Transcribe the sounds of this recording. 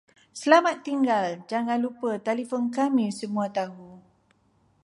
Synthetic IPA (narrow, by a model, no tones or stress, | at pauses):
səlamat̪ːiŋɡald͡ʒaŋãnlupət̪elifɔnkamĩsəmũat̪aɦu